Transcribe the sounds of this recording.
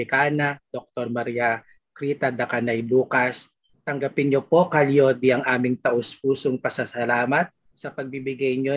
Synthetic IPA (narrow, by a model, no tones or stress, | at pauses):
ɪkaːnɐd̪̥ok̚t̪oɾmɐɾijɐ | kɾiːt̪ɐd̪ɐkanɐjbuːkɐs | t̪ɐŋɡɐpɪnɲopo̞kɐljo̞ːd̪iɐŋʔaːmɪŋt̪ɐʔospuːsoŋpɐsɐsɐlaːmɐt̪̚ | sɐpɐɡ̚bibɪɡajɲo